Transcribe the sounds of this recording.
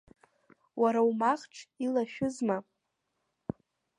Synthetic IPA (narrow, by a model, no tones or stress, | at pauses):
wʔaɾawmaχʈ͡ʂʰilaʃᶣʊzma